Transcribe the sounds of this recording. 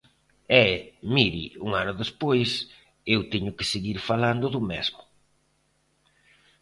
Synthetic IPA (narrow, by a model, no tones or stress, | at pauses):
ɛmiɾḭuŋanʊðespojs | ewt̪ɛɲʊkɪseɣiɾfaland̪ʊðʊmezmʊ